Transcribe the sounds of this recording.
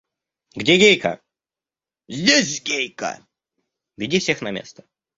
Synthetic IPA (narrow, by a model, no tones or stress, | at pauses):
ɡdʲeɡʲejkə̰ | zʲdʲesʲɡʲejkə̰ | vʲɪdʲifsʲexnɐmʲḛst̪ə̥